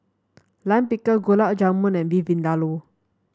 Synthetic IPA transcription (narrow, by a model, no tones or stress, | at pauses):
lanpikəɡolaʔd͡ʒamũnɛ̃nvivĩndalo